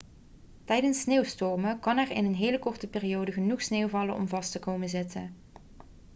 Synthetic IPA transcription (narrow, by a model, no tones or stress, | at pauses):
tɛjdənsːneːwstɔɹməkɑnɛrɪ̰nənɦejləkɔɹtəpɪːriowdəɣənuχsneːwvɑlənʔɔ̰mvɑstəkowmənzɪtə̰